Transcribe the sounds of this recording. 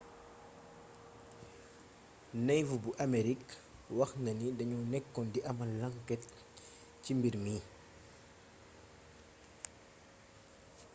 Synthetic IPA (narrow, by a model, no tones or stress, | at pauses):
nɛjvubuʔameɾikwɐxnɐnidɐɲunɛkːɔndiʔɐmɐnlaŋkɛt̚ | cimbiɾmiː